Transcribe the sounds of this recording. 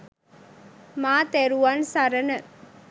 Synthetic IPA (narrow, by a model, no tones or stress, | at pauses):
maːt̪eɾuʋansɐɾɐnɐ